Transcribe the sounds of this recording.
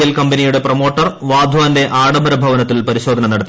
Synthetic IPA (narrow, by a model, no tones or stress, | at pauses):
jɐlkɐmbɐnijuɽe̞promo̞ːʈːɐrʋaːd̪ʱʋaːnde̞ʔaːɽɐmbɐɾɐbʱɐʋɐnɐt̪ːilpɐɾiɕod̪ʱɐnɐnɐɽɐt̪ːi